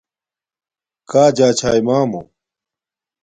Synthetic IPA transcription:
kaːd͡ʑaːt͡ɕʰaːimaːmo̰

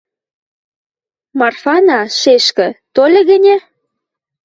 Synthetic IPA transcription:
mɑrfɑnɑʃeʃkə̆t̪olʲĕɣə̆nʲe

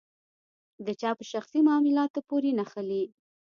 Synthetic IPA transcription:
d̪ət͡ʃɑpəʃaxsimɑmɪlɑt̪opoɾenaxəli

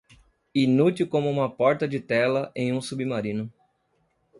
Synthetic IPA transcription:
inut̪iwkõmʊũmɐpɔɾt̪ɐd͡ʒɪt̪ɛlɐʔẽj̃ũsubimaɾĩnʊ

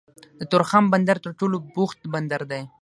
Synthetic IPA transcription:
d̪ət̪ʊɾxamband̪aɾt̪əɾʈolobʊxt̪band̪aɾd̪aj

